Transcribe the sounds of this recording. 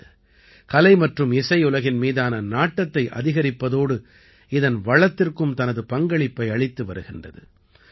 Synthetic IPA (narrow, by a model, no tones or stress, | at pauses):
kɐlɐɪmɐʈrɯmɪsɐɪʊlɐɣɪnmiːðaːnɐnaːʈːɐt̪ːɐɪʔɐ̰ðɪɣɐɾɪpːɐðoːɽɯ | ɪðɐnʋɐɭɐt̪ːɪrkɯmt̪ɐnɐðɯpɐŋɡɐɭɪpːɐɪɐɭɪt̪ːɯʋɐɾɯɣɪndrɐ̰ðɯ̰